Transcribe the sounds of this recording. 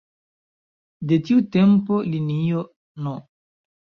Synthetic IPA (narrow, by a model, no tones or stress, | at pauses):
detiutempolinio | no